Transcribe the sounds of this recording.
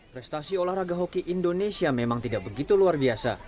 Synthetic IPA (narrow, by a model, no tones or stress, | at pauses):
pɾɛst̪asiolahraɡaɦokiʔindonesiamemaŋt̪idak̚bəɡit̪uluarbiasa̰